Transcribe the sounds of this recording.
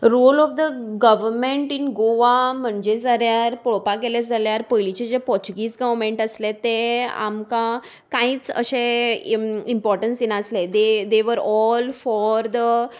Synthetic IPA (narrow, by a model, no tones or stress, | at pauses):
ɾolɔfd̪əɡəʋəɾmeɳʈinɡoʋam̤əɳd͡ʑed͡zəɾjaɾpɔɭpakeled͡zaljaɾpəjlit͡ɕed͡ʑepɔɾt͡ɕuɡiːsɡəʋmẽɳʈəslet̪ea̰mkã | kãiːt͡sə̰ɕẽ | impɔɾʈənsinaəsled̪ed̪eʋəɾɔlfɔɾd̪ə